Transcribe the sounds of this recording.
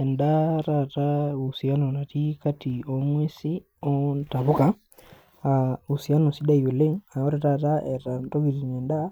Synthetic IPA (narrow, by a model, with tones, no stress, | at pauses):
ɛ˨ndatatau˨si˨a˦no˨na˨ti˦kati˨omwe˦si | ɔ˦nta˨βu˦ka | au˨si˨a˦no˨si˦da˦i˨o˨le˦ŋa˨o˦ɾɛta˦ta˦ɛ˨ɾa˨nto˦ɡi˨ɾinɛ˨nda˦